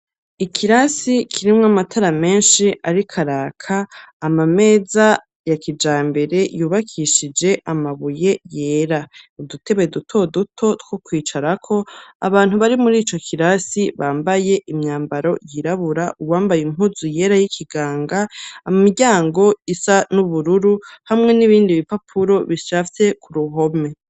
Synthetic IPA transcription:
ikʰiɾasikʰiɾimŋamatʰaɾame̞ːnʃiʔaɾikʰaɾaːkʰaːmame̞ːza | jakid͡ʒaːmbe̞ɾe̞juːβakʰiʃid͡ʒe̞ʔamaβuje̞je̞ːɾadutʰe̞βedutʰo̞dutʰo̞tkokwiːt͡ʃaɾakʰo̞a̰βaːn̥uβaɾimuɾiːt͡ʃo̞kʰiɾasiβaːmbaje̞ʔimɲaːmbaɾo̞jiɾaβuɾaʔuwaːmbajim̥huzuje̞ːɾajikʰiɡaːŋɡamumiɟaːŋɡo̞isanuβuɾuɾuhamŋe̞niβiːndiβipapʰuɾo̞βiʃaːft͡se̞kʰuɾuɦo̞me̞

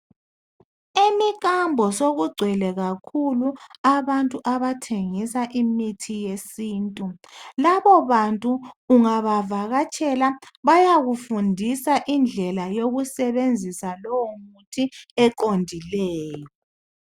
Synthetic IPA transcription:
emikʼambʱɔsoɣuɡ͡ǀʱwɛlɛɣakʰuluaβantʼuʔaβatʰeŋisaʔimitʰijesiːntʼulaβɔβantʼuːŋaβavaɣat͡ʃʼɛlaβajaɣufundʱisaʔind͡ɮʱɛlajoɣusɛβend͡zʱisalɔwɔmutʰiɛǃondʱilɛːjɔ

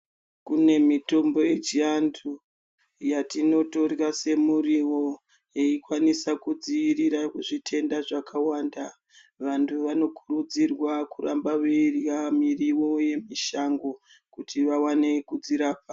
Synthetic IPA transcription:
kune̞mito̞mbo̞je̞t͡ʃiantʰu | jatino̞to̞rrase̞muriwo̞ | jeikwanisakud͡ziʋiɾiɾakuʐitʰe̞ndaʐakʰawaːnda | ʋantʰuʋano̞kuɾud͡zirwakuɾa̰mbaʋeirjamiriwo̞je̞miʃaŋɡo̞ | kutʰiʋawane̞kud͡ziɾaːp̚a

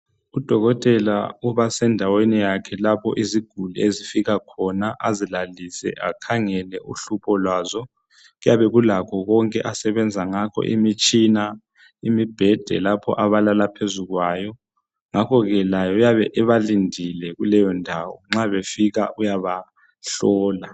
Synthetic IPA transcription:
ud̥ʱɔɣɔtʼɛla̰uβasɛndʱawenijakʰɛlapʰɔ̰ʔiziɡ̥ʱuluezifiɣakʰɔnaʔazilalisɛ̰ʔakʰaŋɛlɛʔuɬupʰɔlwaːzɔ | ɣujaβɛɣulakʰɔɣɔŋkʼɛ̰ʔasɛβɛnd͡zʱaŋakʰɔ̰ʔḭmit͡ʃʼina | imib̥ʱɛd̥ʱɛ̰lapʰɔ̰ʔaβalalapʰezuɣwajɔ | ŋakʰɔɣɛlajɔujaβɛʔɛβalindʱilɛɣulɛjɔndʱawɔ̰ŋ͡ǁaβefiɣaʔujaβa | ɬɔːla

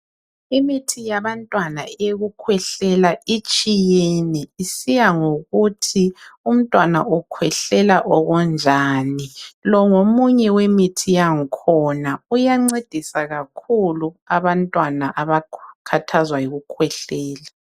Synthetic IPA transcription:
imitʰijaβantʼwanaeɣukʰwɛɬɛlait͡ʃʼijeniːsijaŋoɣutʰium̩tʼwanaʔɔkʰwɛɬɛlaʔɔɣɔnd͡ʒʱaːnilɔŋomuɲɛwemitʰijaŋ̩kʰɔnaujaŋ͡ǀed̥ʱisaɣakʰuluaβantʼwanaʔaβakʰatʰazwajiɣukʰwɛɬɛːla

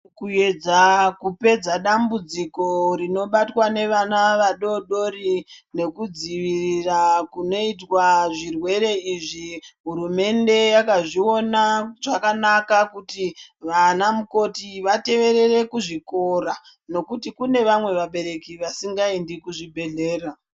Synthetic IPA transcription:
kue̞d͡zakupe̞d͡zaɗambud͡ziko̞ɾino̞ɓatwane̞ʋanaʋaɗo̞ɗo̞ɾine̞kud͡ziʋirirakuno̞it̬waʐirwe̞ɾe̞iʐiɦuɾume̞nde̞jakaʐio̞naʐakanakakutiʋanamuko̞tiʋate̞ʋe̞ɾe̞re̞kuʐiko̞ra | no̞kutikune̞ʋamwe̞ʋaɓe̞ɾe̞kiʋasiŋɡaindikuʐibʱe̞ɮe̞ːra

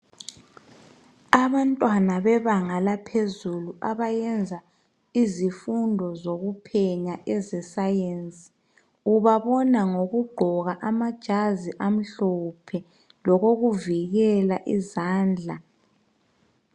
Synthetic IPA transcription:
aβantʼwanaβɛβaŋalapʰezuluʔaβajɛnd͡zʱa | izifundʱɔzoɣupʰɛɲaʔɛzɛsajent͡sʼi̥ | uβaβɔnaŋoɣuɡ͡ǃʱɔɣaʔamad̥ʒ̥ʱaziʔam̩ɬɔpʰɛ | lɔɣoɣuviɣɛlaʔizaːnd͡ɮʱa

